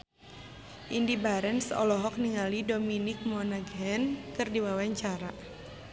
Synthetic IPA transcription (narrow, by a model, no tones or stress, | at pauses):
ʔindibaɾɛnsɔ̰lɔɦɔk̚niŋalidominɪk̚mɔnaɡɦɛnkɨrdiwawaɲt͡ʃaɾa